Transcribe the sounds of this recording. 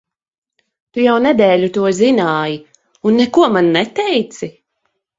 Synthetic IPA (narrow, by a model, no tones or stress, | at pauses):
t̪ujawnɛd̪ɛːlʲut̪uɔzinaːji | unːekuɔmanːɛt̪ɛjt̪si